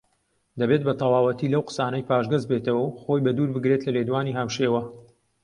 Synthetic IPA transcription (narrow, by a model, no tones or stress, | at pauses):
d̪ɐbeːt̪̚bɐt̪ʰɐwɑːwɐt̪ilɐwqə̥saːnɐjpʰaːʒɡɐzbet̪ɐwɐwxo̞jbɐd̪uːɾbɨɡɾet̪lɐled̪waːniːɦamʃeːwɐ